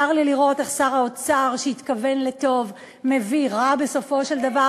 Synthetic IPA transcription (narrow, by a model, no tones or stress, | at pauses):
aʁliliʁo̞t̪eχsaʁao̞t͡saʁʃeit̪kave̞nle̞t̪o̞v | me̞viʁabe̞so̞fo̞ʃeld̪ava